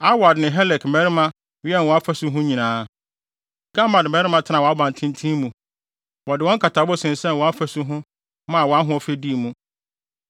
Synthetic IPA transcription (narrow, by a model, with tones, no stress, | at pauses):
a˦wa˨dnɪ̃˨ɦɛ˦lɛ˨kmɛ˦ɾɪ˦mã˦ | wɛ˦n˨wɔ̃˨a˦fæ˦sʊ˦ɦʊ̃˦ɲĩ˨nãː˦ | ɡ̥a˦ma˨dmɛ˨˦ɾɪ˦mã˦tʰɪ˦nã˨wɔ˨a˦bã˨n˨tʰɪ̃˦n˦tʰĩ˦mũ˨ | wɔ˨dɪ˨wɔ̃˦ŋkʰa˨tʰa˨˦bɔ˦sɪ̃˨n˨sɛ̃˦n˨wɔ̃˨a˦fæ˦sʊ˦ɦʊ̃˦ | mã˦a˨wɔ˨a˦ɦʊ̃˦ɔ˨fe˦di˦˨mũ˦